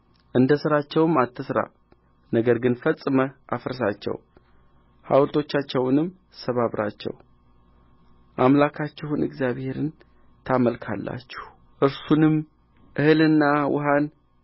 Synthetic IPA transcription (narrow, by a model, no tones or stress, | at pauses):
ʔɨnd̪əsɨɾat͡ʃːɛwɨmːat̪ʰːəsɾa̰ | nəɡəɾɡɨnfəsʼɨməʔafɨɾs̬at͡ʃːɛ̰w | ha̰wlt̪ʰo̞t͡ʃːat͡ʃːɛwnɨmː | səβaβɾʔa̰t͡ʃːɛ̰w | ʔamlakʰat͡ʃːɛhunɨ̰ɡzjaβhe̞ɾɨn | t̪ʰaməlkʰa̰lːa̰t͡ʃːɛh | ʔɨɾsunɨm | ʔɨhɨlɨnːawʊ̰ɦan